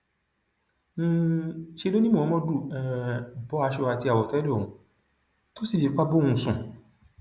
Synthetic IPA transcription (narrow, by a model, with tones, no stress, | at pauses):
ʃe˧lo˦nĩ˦mũ˦˨ɔ̃˨˧˦mɔ̃˦du˦˨ɛ˧˨bɔ˨˦a˧ʃɛ˦˧wa˧ti˧a˨wɔ˨tɛ˨˦le˦˨ũ˨ | to˦si˦˨ʃi˨˦k͡pa˦bo˦ũ˧˨sũ˨